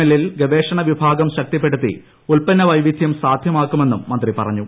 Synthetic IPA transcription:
elilɡeʋe̞ːʂɐɳɐʋibʱaːɡɐmɕɐk̚t̪ipːe̞ɽut̪ːḭ | ulpɐnːɐʋɐjʋid̪ʱjɐmsaːd̪ʱjɐmaːkːume̞nːumːɐnd̪ripɐ̰rɐɲːu

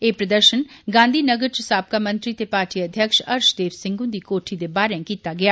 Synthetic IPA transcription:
eːpɾəd̪əɾʃənɡãːnd̪iːnəɡəɾt͡ʃəsaːp̚kaːmə̃nt̪ɾiːt̪eːpaːɾʈiːəd̪ʱjəkʃə̰ɾʃd̪eːʋsɪ̃ŋɡʊ̃ːd̪iːkoːʈʰiːd̪eːbaːɾẽkiːt̪aːɡɪjaː

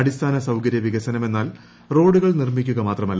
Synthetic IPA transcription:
ɐɽist̪ʰaːnɐsɐwkɐɾjɐʋiɣɐsɐnɐme̞nːaːl | ro̞ːɽuɣɐɭnirmikʲːuɣɐmaːt̪rɐmɐlː

